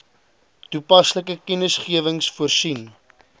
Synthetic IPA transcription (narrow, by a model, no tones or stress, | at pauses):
tupɐsləkəkənəsχiəvəŋsfuərsin